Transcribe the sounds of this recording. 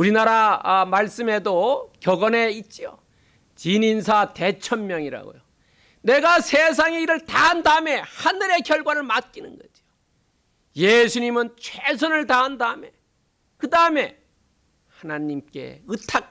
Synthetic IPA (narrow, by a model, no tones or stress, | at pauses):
uɾinaɾamaɭs͈ɯme̞dokjʌɡʌne̞it̚t͡ɕ͈io̰ | t͡ɕininsʰate̞t͡ɕʰʌnmjʌŋiɾa̰ɡo̰jo | ne̞ɡasʰe̞s̬ʰaŋeiɾɯɭtaɦandaɯme̞hanɯɾe̞kjʌɭɡwaɾɯɭmat̚k͈inɯnɡʌd͡ʑio | jesʰuɲimɯnt͡ɕʰwesʰʌnɯɭtaɦandaɯme̞ | kɯdaɯme̞ | hanaɲimk͈e̞̰ɯtʰak̚